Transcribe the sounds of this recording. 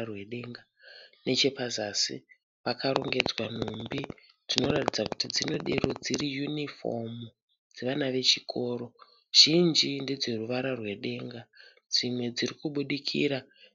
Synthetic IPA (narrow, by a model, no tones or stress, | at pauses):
rweɗe̞ŋɡa | ne̞t͡ʃe̞pazasḭ | pakaɾoŋɡe̞d͡zwan̤umbi | d͡zino̞ratid͡zakutid͡zino̞ɗeɾo̞d͡ziɾijunifo̞̰m | d͡zeʋanaʋe̞t͡ʃikʰo̞ːɾo̞ | ʒ̥ind͡ʒinded͡zeruʋaɾarwe̞ɗe̞ŋɡa | d͡zimwe̞d͡zirikuɓuɗikʰiːɾa